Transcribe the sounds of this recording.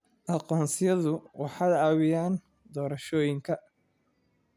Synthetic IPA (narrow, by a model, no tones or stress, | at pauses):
ʔɑqɔːnsɪjɐðʊwʔɑħɑːdɐːβɪjaːn | d̪ɔːɾɐʃɔːjɪŋkʰɐ